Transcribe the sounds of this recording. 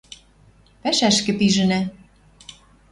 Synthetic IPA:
pæʃæʃkɘ̆piʒɘ̆næ

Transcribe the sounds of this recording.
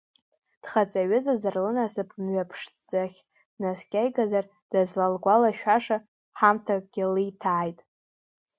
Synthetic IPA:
d̥χat͡sʼaɥɪzazarlɨnasɨpʰmɥapʰʂd͡zʼaχʲ | naskʲʼajɡazar | d̥azlalɡʷalaʃᶣaʂa | ħamtʰakʼɡ̥ʲɪlijtʰaːjtʼ

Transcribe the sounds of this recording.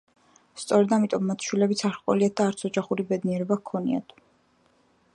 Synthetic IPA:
st̪sʼɔɾɛd̪amit̪ʼɔmːat̪ʰʃwilɛbit̪sʰaɾqʼɔ̰liat̪̚d̪aːɾt̪sʰɔd͡ʒaχuɾibɛd̪niɛɾɔbakʰɔnḭa̰t̪ʰ

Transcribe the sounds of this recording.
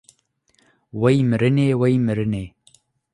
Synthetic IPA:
wejmɨɾɨneːwejmɨɾɨneː

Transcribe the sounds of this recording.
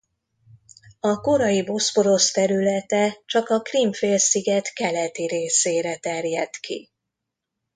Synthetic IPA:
ɒko̞ɾɒjibo̞spo̞ɾo̞st̪ɛɾylɛt̪ɛt͡ʃɒkɒkrimfeːlsiɡɛt̪kɛlɛt̪iɾeːseːɾɛt̪ɛrjɛt̪kʰḭ

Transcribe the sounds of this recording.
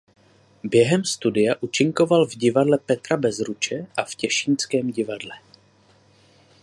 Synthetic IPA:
bjɛɦɛmst̪udɪjaʔut͡ʃɪŋko̞valvɟɪvadlɛpɛt̪ɾabɛzɾut͡ʃɛʔafcɛʃint͡skɛːmɟɪvadlɛ

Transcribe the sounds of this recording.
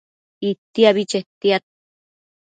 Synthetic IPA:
it̪ːiaβit͡ʃet̪iat̪̚

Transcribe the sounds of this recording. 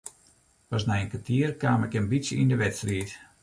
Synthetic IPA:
pɔsmɛjənkʋatʰiərkaːmɛkənbitsjəindəʋɛtstriət

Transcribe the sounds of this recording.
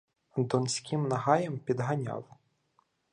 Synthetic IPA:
d̪ɔnsʲkʰʲimnɐɦɑjɛmpʲid̪ɦɐnʲɑ̰l

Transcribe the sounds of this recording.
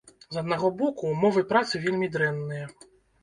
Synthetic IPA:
zɐd̪naɣɔbɔkumɔvɨpɾat̪sɨvʲelʲmʲid̪ɾɛnːɨjɐ

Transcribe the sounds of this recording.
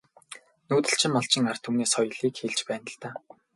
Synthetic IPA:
nuːt̪ɘ̆ɬt͡ɕʰɪ̆mːɔɮt͡ɕɪ̆ŋar̥t̪ʰumneːsχɔj̆ɮiːkxeɮt͡ɕpæːnə̆ɮt̪aː

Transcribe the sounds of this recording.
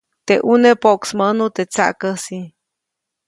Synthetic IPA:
t̪eʔunepoʔksmənut̪et͡sa̰ʔkəsi

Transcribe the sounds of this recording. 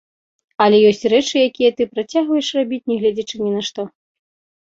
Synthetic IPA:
ɐlʲɛjɔsʲt͡sʲrɛt͡ʂɨjakʲijɐt̪ɨpɾat͡sʲaɣvɐjɛʂrabʲit͡sʲnʲɛɣlʲɛd͡zʲɛt͡ʂɨnʲinɐʂt̪ɔ

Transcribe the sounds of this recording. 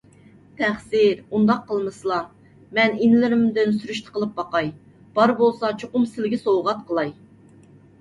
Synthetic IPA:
t̪ʰæχsɪɾund̪ɑqʰːəlˠmɨslˠɑ | mɛninɪlɪɾɪmd̪ɪnsyɾyʃt̪ʰə̥qʰəlˠɨp̚bɑqɑj | b̥ɑɾbolˠsɑt͡ʃʰoqʊmsɪlɡʲɪsowʁɑt̪̚qʰəlˠɑj

